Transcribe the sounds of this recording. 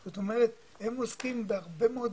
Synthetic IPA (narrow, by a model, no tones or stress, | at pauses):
zot̪omeʁet̪ | hemoskimbeaʁbe̞meod